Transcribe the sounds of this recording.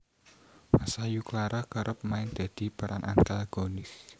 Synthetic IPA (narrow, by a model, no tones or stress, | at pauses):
masajuklaɾakəɾʔʊp̚maɪŋd̪̥a̤d̪̥i̤paɾanʔant̪alɡ̥onɪs